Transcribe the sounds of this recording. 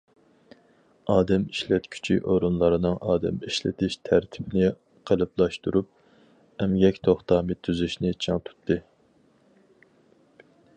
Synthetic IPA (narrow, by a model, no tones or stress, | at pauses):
ɑːd̪ɛmiʃlɛt̪kʲʰy̥t͡ʃʰiʔoɾunlˠɑɾɨnɨŋʔɑ̰ːd̪ɛ̰miʃlɪ̰t̪ʰɪʃt̪ʰæɾt̪ʰɪ̥bɪnɪ | qʰəlˠɨplˠɑʃt̪uɾup̚ | ɛmɡʲɛkʲt̪ʰoχt̪ɑːmɨt̪ʰːyzyʃnɪt͡ʃʰɑŋt̪ʰu̥t̪ʰːɨ